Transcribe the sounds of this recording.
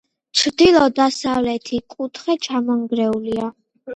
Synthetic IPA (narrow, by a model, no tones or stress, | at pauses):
t͡ʃʰɾd̪ilˠɔd̪asavlɛt̪ʰikʼut̪ʰχɛt͡ʃʰamɔŋɡɾɛulia